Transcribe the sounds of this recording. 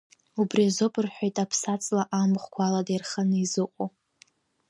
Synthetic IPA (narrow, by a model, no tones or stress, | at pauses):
ubriazopʼɨrħʷᶣojtʼapʰsat͡sʼlaʔamχʷkʷʰaladajrχanɨizɨqʷʼo